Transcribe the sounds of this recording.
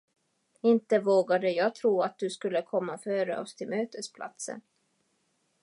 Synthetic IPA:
ɪnt̪əvoːɡad̪əjɑːɡ̚t̪ʰɾuːat̪̚d̪ɵskɵlːəkʰɔmːafœːɾə̰ɔst̪ʰɪlmøːt̪əspʰlʔa̰t̪sə̰n

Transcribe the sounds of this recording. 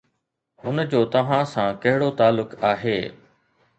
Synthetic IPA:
ɦʊnd͡ʑoːt̪ɐʋ̤ãsãːkɐɦɪɽot̪aːlːʊkaːɦeː

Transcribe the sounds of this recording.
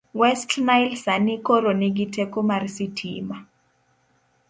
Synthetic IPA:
wɛstʰnajlsanikɔɾoniɡ̬itʰɛkomaɾisitʰḭːma

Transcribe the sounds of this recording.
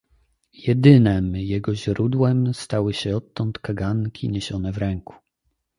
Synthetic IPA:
jɛd̪ɘnɛmjɛɡɔʑɾud̪wɛmst̪awɘɕɛɔt̪ːɔnt̪kaɡankʲḭɲeɕɔnɛvɾɛŋku̥

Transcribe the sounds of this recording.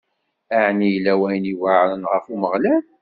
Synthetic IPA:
aʕnijlːæwæjəniwaʕɾənʁəfuməʁlæl

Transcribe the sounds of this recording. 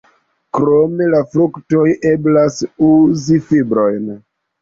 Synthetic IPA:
kɾome̞lafɾukto̞jʔe̞blasuzifibɾo̞jn

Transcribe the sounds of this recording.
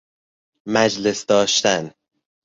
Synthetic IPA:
mæd͡ʒle̞sd̪ɒːʃt̪æn

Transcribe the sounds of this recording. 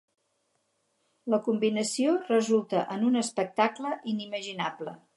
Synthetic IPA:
ləkumbinəsiorəzulˠt̪əʔənunəspək̚t̪akləʔiniməʒinablə

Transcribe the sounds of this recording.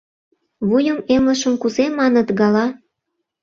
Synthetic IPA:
βujəmemlə̆ʃə̆mkuzemɑnə̆t̪ɣɑlɑ

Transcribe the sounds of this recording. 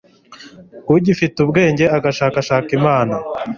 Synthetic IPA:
uɟifitubɡe̞ːɲɟe̞aɡaʃaːkaʃaːkimaːna

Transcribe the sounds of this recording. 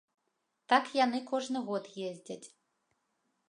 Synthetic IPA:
t̪akjanɨkɔʐnɨɣɔt̪jezʲd͡zʲat͡sʲ

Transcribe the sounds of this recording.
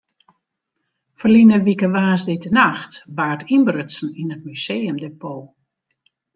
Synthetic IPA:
fərlinəʋikəʋaːsdɪtənaxtbaːrtʰinbrøtsn̩inət̚myseːəmdepʰoː

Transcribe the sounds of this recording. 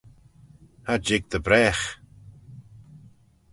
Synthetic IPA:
had͡ʒɪɡ̚d̪əbɾɛːx

